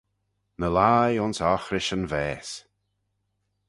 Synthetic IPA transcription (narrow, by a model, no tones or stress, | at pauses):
nəlajʊnsɔxɾɪʃənvɛːs